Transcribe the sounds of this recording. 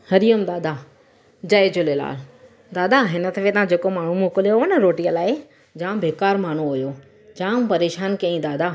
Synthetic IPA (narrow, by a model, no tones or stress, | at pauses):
hɐɾijəmd̪aːd̪a | d͡ʑɐɪd͡ʑʊlela̰ːl | d̪aːd̪aɦɪnə̆t̪ʰɐfʰet̪ɐãd͡ʑeːkomaːɳ̤umoːkʊlijonəɾoːʈijəlaːɪ | d͡ʑãːbeːkaːɾmaːɳ̤uɦʊjo | d͡ʑãːmpɐɾeːʃaːnkĩĩd̪aːd̪a